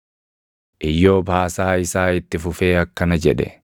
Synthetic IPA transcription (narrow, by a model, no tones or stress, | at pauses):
ʔɪjːo̞ːbaːsaːɪsaːɪt̪ːɪfʊfe̞ːɐkːɐnɐd͡ʒɛᶑɛ̰